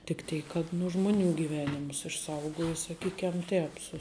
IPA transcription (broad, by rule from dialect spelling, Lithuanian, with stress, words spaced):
tʲɪk ˈtʲɛɪk kɐt nʊ ˈʒmʊˌnʲuː ɡʲiːˈʋʲæːnʲɪmʊs ɪʃˈsɐʊɡoːjoː sɐˈkʲiːkʲɛm ˈtʲɛːp sʊ